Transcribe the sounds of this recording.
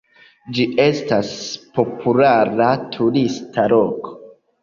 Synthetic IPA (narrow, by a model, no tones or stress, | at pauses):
d͡ʒiʔe̞staspo̞pʰulaɾatʰuɾistʰaloko̥